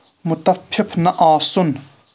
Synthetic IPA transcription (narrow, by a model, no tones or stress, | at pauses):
mʊt̪ɐpʰːipʰnɐʔaːsʊn